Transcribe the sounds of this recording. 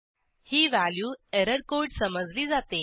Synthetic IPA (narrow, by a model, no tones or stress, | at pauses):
hiːʋæljuːeɾəɾkoiɖsəməd͡zliːd͡zat̪e